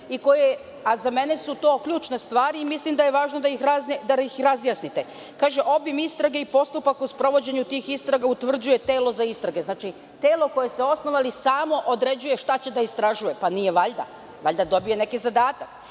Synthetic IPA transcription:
iko̞je | azame̞ne̞sut̪o̞ːkʎuːt͡ʃnest̪ʋaːɾiimislimd̪ajeʋaːʒnod̪aixɾazed̪aixɾazjasnit̪e̞ | kaːʒeʔo̞bimist̪ɾaɡeipo̞st̪upakuspɾo̞ʋo̞d͡ʑe̞ɲut̪iːxist̪ɾaɡaut̪ʋr̩d͡ʑuje̞t̪e̞ːlo̞zaist̪ɾaɡeznaːt͡ʃi | t̪eːlo̞ko̞je̞seo̞snoʋalisaːmo̞ʔod̪ɾe̞d͡ʑuje̞ʃt̪at͡ɕe̞d̪aist̪ɾaʒuje̞panijeʋaʎd̪a̰ | ʋa̰ʎʲd̪ad̪o̞bije̞ne̞kizad̪aːt̪ak

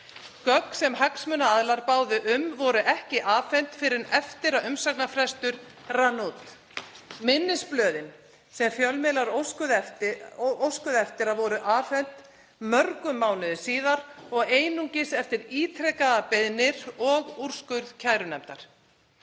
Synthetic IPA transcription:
kœksɛmɦaksmʏnaaðlaɾpaːwðɪʔʏmvɔɾʏʔɛhcɪʔaːfɛnt̪fɪɾɪɾɛft̪ɪɾaʏmsaknafɾɛst̪ʏɾ | ranut̪ | mɪnːɪsplœːðɪn | sɛmfjœlmɪlaɾoskʏðɛft̪owskʏðɛft̪ɪɾavɔɾʏʔaːfɛn̥t̪ | mœɾkʏmːaːwnɪðʏsiːðaɾɔɣeːjnuɲcɪsɛft̪ɪɾiːt̪ʰɾɛkaðapɪðnɪɾɔɣuɾ̥skʏɾðcʰaːjɾʏnɛmt̪a̰ɾ̥

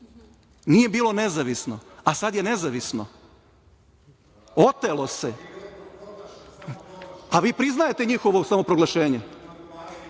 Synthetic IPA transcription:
nije̞biːlo̞ne̞zaʋisnoasad̪je̞ne̞zaʋisno̰ | o̞t̪elˠo̞se | aʋiːpɾiznajet̪e̞ɲixo̞ʋosamo̞pɾo̞ɡlaʃeːɲe

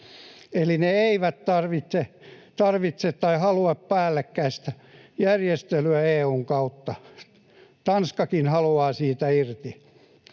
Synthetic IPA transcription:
elineeiʋæt̪t̪ɑrʋit̪set̪ɑrʋit̪set̪t̪ɑihɑlueppæːlːekːæist̪æ | jærjest̪elyæeːuːŋkɑut̪ːɑ | t̪ɑnskɑkinhɑluɑːsiːt̪æirt̪i

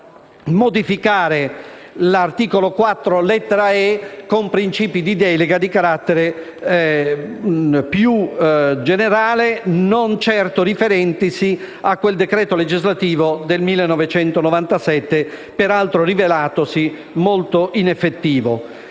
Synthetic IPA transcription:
mod̪ifikaːɾelart̪iːkolokwat̪ːɾolɛt̪ːeɾaɛkompɾint͡ʃiːpid̪id̪ɛːleɡad̪ikaɾat̪ːeɾe | pjud͡ʒeneɾaːlenont͡ʃɛrt̪orifeɾɛnt̪isi | akːweld̪ekɾɛːt̪oled͡ʒizlat̪iːvod̪elmilːenːɔvet͡ʃɛnt̪onovant̪asɛt̪ːepeɾalt̪ɾorivelaːt̪osi | molt̪oʔinɛfːet̪ːiːvo̰

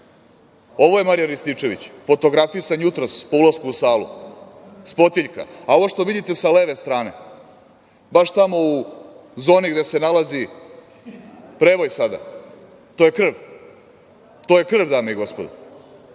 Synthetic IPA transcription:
o̞ʋo̞je̞maɾijaɾist̪it͡ʂe̞ʋḭt͡ɕfo̞t̪o̞ɡɾafisanjut̪ɾospo̞ulˠaskuusaːlṵ | spo̞t̪iʎka̰ao̞ʋoʂt̪o̞ʋid̪it̪e̞saleːʋe̞st̪ɾaːne̞̰ | baʃt̪amo̞uzo̞ːniɡd̪e̞se̞nalazi | pɾeʋo̞jsad̪a̰ | t̪oje̞kr̩ʋ | t̪oje̞kr̩ʋd̪aːmeiɡo̞spo̞d̪u

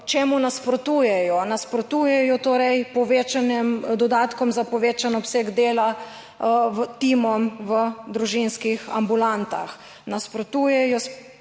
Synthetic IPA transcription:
t͡ʃeːmunaspɾɔt̪uːjɛjɔnaspɾɔt̪uːjɛjɔt̪oːɾɛjpɔʋeːt͡ʃanɛmd̪ɔd̪aːt̪kɔmzapɔʋeːt͡ʃanɔpseːɡd̪eːla | ʋt̪imɔmʋəd̪ɾuʒinskixa̰mbulant̪a̰x | naspɾɔt̪uːjɛjɔs

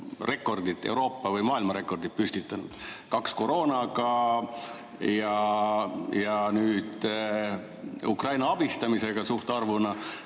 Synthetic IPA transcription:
re̞kːˑo̞rd̪it̪e̞̰wɾo̞ːpːɑvɯjmɑːilmɑɾe̞kːˑo̞rd̪it̪̚pysʲt̪it̪ˑːɑnṵd̪̥kɑksko̞ɾo̞ːnɑɡɑ | jɑ | jɑnyːd̪̥ | ṵkrɑjnɑɑb̥ist̪ɑmise̞ɡ̥ɑsuht̪eɑrvunɑ

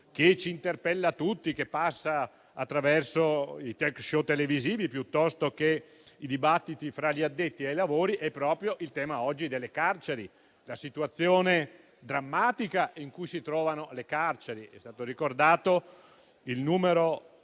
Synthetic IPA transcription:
k̟et͡ʃiːnt̪erpɛlːat̪ut̪ːikepːasːaː | t̪ːɾavɛrsoit̪ɛkʃot̪ːeleviziːvipjut̪ːɔst̪oke | id̪ibat̪ːit̪ifɾaʎiad̪ːet̪ːiejlavoːɾiʔɛpːɾɔːpɾjoʔilt̪ɛːmaɔd͡ʒːid̪elːekart͡ʃeɾi | lasit̪uat̪sːjoːne | d̪ɾamːaːt̪ikaʔiŋkujsit̪ɾɔːvanolekart͡ʃeɾiɛ̰st̪aːt̪oɾikord̪aːt̪o | ilnuːmeɾo

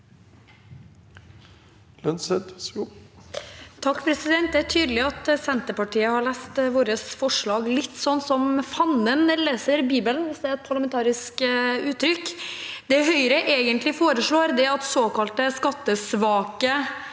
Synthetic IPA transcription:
lœnsɛt̪ | t̪ʰɑkːpʰɾɛsɪd̪ɛnt̪̚d̪ɛææʈʰyːd̪lɪɑt̪sɛnt̪əpɑʈiːəhɑɭæːst̪ʋoːɾəsfɔʂɭɑːɡlɪt̪ːsɔnːsɔmfɑnənleːsəɾbiːbəlnʋɪsd̪ɛæɾɛt̪̚pʰɑɾɭɑmɛnt̪ʰɑːɾɪskʉːt̪ːɾʏkd̪ɛɦœʏɾəʔeːɡənt̪lɪfoːɾəʂɭoːɾd̪ɛɑt̪soːkɑlt̪əskɑt̪ːəsʋɑːkə

